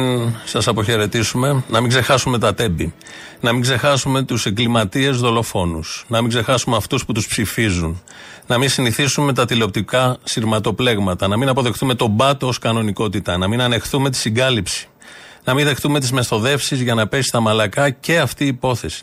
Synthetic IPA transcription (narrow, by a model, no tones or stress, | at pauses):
sɐsɐpo̞çe̞ɾe̞t̪isume̞nɐmiŋɡze̞xɐsume̞t̪ɐt̪e̞bi | nɐmiŋɡze̞xɐsume̞t̪useɡlimɐt̪ie̞zðo̞lo̞fo̞nusnɐmiŋɡze̞xɐsumeɐft̪usput̪uspsifizun | nɐminsiniθisumemet̪ɐt̪ileo̞p̚t̪ikɐsiɾmɐt̪o̞ple̞ɣmɐt̪ɐnɐminɐpo̞ðe̞xθume̞t̪o̞bɐt̪ooskɐno̞niko̞t̪it̪ɐnɐminɐne̞xθume̞t̪̬i̥siɡɐlipsi̥ | nɐminðe̞xθume̞t̪̬izme̞sθo̞ðe̞fsizʝɐnɐpesi̥st̪ɐmɐlɐkɐce̞ɐft̪iːpo̞θe̞si̥